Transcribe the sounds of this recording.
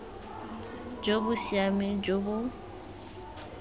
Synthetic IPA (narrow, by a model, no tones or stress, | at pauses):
d͡ʒobʊsiamid͡ʒobʊ